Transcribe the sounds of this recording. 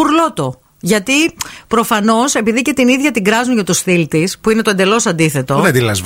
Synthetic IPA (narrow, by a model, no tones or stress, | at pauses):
uɾlo̞t̪o̞ | ʝɐt̪ipɾo̞fɐno̞se̞piðice̞t̪iniðʝɐt̪iŋɡɾɐzuɲʝɐt̪usθilt̪ispuine̞t̪ond̪e̞lo̞sɐnd̪iθe̞t̪o̞ed̪ilɐ̰z